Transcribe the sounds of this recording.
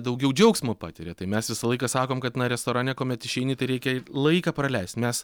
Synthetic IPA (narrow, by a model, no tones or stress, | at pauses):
d̪ɐʊɡʲɛʊd͡ʒʲɛʊksʲmopɑ̰ːt̪ʲɪɾʲeːt̪ɐɪmʲɛsʋʲɪsɐlˠɐɪkɐsɑːkoːmkɐt̪nɐɾʲɛst̪oːɾɑːnʲɛkoːmʲɛt̪ɪʃʲɛɪnʲɪt̪ɐɪɾʲɛɪkʲɛlˠɐɪkɑːprɐlʲɛɪst̪mʲɛs